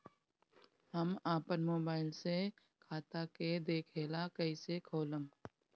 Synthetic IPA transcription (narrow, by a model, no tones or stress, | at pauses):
həmaːpənmoːbaːɪlse | kʰaːt̪aked̪eːkʰeːlakəisekʰoːləm